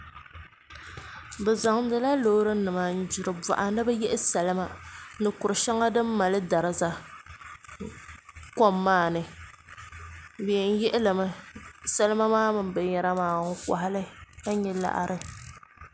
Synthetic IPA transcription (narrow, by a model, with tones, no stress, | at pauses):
bɨ˨za˨ŋʊ˨m˦dɨ˦la˦lo˨˦ɾɨ˦nɨ˨ma˨n̩˦d͡ʒɪ˨ɾɨ˨ba̰˨ʔa˨nɨ˦bɛ˦jɛ˦ʔɪ˦sa˨lɨ˦ma˦nɨ˨kʊ˨ɾɨ˨ʃa˦ŋa˦dɨ˦mː˦a˨lɨ˦da˨ɾɨ˨za˦ | kɔ˦mːaː˦nɨ˨ | bɛ˨ɛ˨n̩˦jɛ˦ʔɪ˦lɨ˨mɨ˦sa˦lɨ˦ma˦maː˦mɨ˨m˦bɨ˨ɲɛ˨ɾa˦maː˦˨ŋ̩˦ka̰˨ɦa˦lɨ˦ka˦ɲɛ˦la̰˨ʔa̰˨ɾʔɨ˨